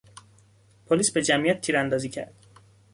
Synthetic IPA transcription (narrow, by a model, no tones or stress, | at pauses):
pʰoliːsbed͡ʒæmijæt̪̚ːʰiːɾænd̪ɒːziːcʰæ̰ɾd̪̥